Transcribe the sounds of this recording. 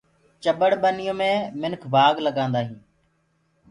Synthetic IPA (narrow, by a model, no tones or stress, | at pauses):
t͡ʃəɓəɽɓənɪjõːmẽːmɪnkʰbaːɡləɠãːnd̪aːɦĩː